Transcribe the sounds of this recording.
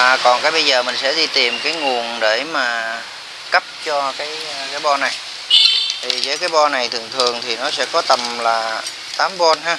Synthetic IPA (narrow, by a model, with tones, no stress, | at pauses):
kɔ˨˩nkaː˨˦jɓə˧jzəː˨˩mï˨˩ŋ̟sɛ̰˧˥ɗi˧t̪i˨˩mkaː˨˦jŋu˨˩ənɗe˧˩maː˨˩ | kə˦˥p̚t͡ɕɔ˧kaː˨˦jkaː˨˦jɓɔ˧na˨˩j | t̪ʰi˨˩zəː˨˦jkaː˨˦jɓɔ˧na˨˩jt̪ʰɨ˨˩əŋt̪ʰɨ˨˩əŋt̪ʰi˨˩nɔ˨˦sɛ̰˧˥kɔ˨˦t̪ə˨˩mlaː˨˩ | t̪aː˨˦mɓɔ˧nɦaː˧